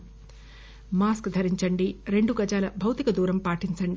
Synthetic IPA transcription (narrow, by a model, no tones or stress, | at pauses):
maːskd̪ʱɐɾiɲt͡ʃɐɳɖiɾe̞ɳɖuɡɐd͡ʒaːlɐbʱɐwt̪ikɐd̪uːɾɐmpaːʈiɲt͡ʃɐɳɖi